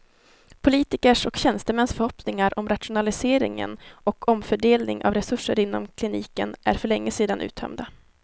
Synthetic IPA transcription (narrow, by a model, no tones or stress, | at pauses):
pʰʊliːt̪ɪkəʂɔkɕɛnst̪əmɛnsfœɾhɔpnɪŋaɾʔɔmɾat̪ʂʊnalɪseːɾɪ̰ŋə̰nʔɔkʰɔmfœɖeːlnɪ̰ŋʔa̰vɾɛsɵʂəɾɪnːɔ̰mkʰlɪniːkənæ̰ɾfœɭɛŋːəseːd̪anʔʉ̟ːt̪ʰœ̰md̪a